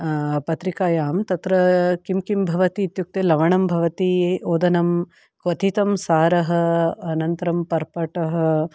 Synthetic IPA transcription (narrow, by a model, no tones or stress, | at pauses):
pɐt̪ɾikaːjaːmt̪ɐt̪ɾɐkimkimbʱɐʋɐt̪iːt̪juk̚t̪eːlɐʋɐɳɐmbʱɐʋɐt̪ioːd̪ɐnɐm | kʋɐt̪ʰit̪ɐmsaːɾɐɦɐ̆ɐnɐnt̪ɐɾɐmpɐɾpɐʈɐɦɐ